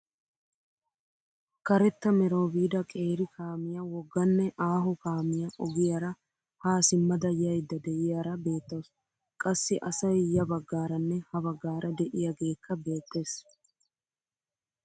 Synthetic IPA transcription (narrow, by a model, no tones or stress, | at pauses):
kɐɾɛt̪ːɐmɛɾoːbiːd̪ɐkʼe̞ːɾɪkʰaːmɪjɐwɔɡːɐnːɛʔaːɦʊkaːmɪjɐʔɔɡɪjɐɾɐ | haːsɪmːɐd̪ɐjɐjd̪ːɐd̪ɛjɪjɐɾɐbe̞ːt̪ːɐws | kʼɐsːɪʔɐsɐjjɐbɐɡːaːɾɐnːɛhɐβɐɡːaːɾʔɐd̪ɛʔɪjɐɡe̞ːkːɐbe̞ːt̪ːe̞ːs